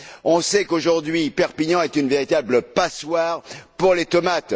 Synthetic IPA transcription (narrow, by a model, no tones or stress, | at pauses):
ɔ̃sɛkoʒuʁd̪ɥipɛʁpiɲɑ̃ɛt̪ynveʁit̪abləpaswaʁpuʁlet̪ɔmat̪